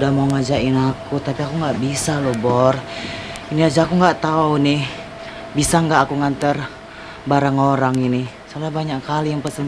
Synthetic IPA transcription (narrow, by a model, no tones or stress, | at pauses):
dahmauŋad͡ʒaʔɪnakut̪apiakuŋɡaʔbisalobɔriniad͡ʒaakuŋɡaʔt̪aunih | bisaŋɡaʔːkuŋant̪ər | baɾaŋoɾaŋini | salabaɲakkalijaŋpəsən